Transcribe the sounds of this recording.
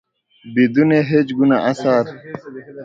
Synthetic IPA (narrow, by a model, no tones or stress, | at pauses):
bid̪uneɦed͡ʑɡunaʔɐsaːɾ